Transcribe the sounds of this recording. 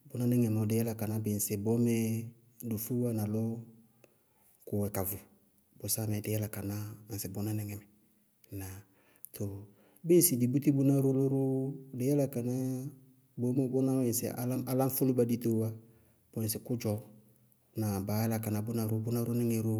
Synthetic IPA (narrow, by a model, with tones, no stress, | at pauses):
bʊ˦na˦nɛ˦ŋɛ˨mɔ˨dɪ˨˦ɛ˦la˦ka˨na˦bɪ˨n˨sɪ˨bɔ˦mɛ˦ | du˨fu˦a˦na˨lɔ˦ | kʊ˨ɛ˨ka˨vʊ˨ | bʊ˨sa˦mɛ˨dɪ˨jɛ˦la˨ka˨na˦a˨nsɪ˨bʊ˨˦na˦nɛ˦ŋɛ˨mɛ˨ | na˨ | to˨ | bɪ˦n˦sɪ˨di˨bu˦ti˦bu˦na˦ɾu˦lo˦ɾu˦dɪ˨˦jɛ˦la˦ka˨na˦ | bɔ˦mɛ˦bɔ˦na˦ɪ˨n˨sɪ̰˨˦a̰˦a˦la˦ɱ˦fʊ˦lu˦ba˨di˦to˦wa˦ | b̥ɔ˨n˨sɪ˨kʊ˦d͡ʒɔ˨ | na˨ba˨˦ɛ˦la˨ka˨na˨bʊ˦na˨ɾʊ˦bʊ˦na˦ɾʊ˦nɪ˦ŋɛ˨ɾu˦